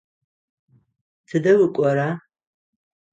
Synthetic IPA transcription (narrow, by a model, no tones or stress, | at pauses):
tʰɨdɐwɨkʷʼɔɾa